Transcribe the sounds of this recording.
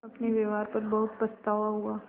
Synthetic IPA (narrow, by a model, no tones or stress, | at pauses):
ɐpneʋeʋɦaːɾpɐɾbɐɦʊt̪̚pɐst̪aːʋaɦuaː